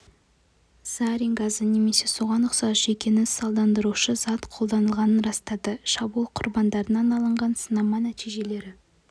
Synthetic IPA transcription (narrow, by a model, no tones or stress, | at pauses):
z̥ɑɾijŋɡazəne̞me̞se̞so̞ʁɑnʊqsɑsʒe̞kʲe̞nɪnsɑlˠd̪ɑnd̪əɾuʃəz̥ɑt̪qʰolˠd̪ɑnəlˠʁɑnənɾɑst̪ɑd̪əʃɑbulˠqʰʊɾbɑnd̪ɑɾənɑnɑlˠəɴʁɑnsənɑmɑnæt̪ijʒe̞le̞ɾɪ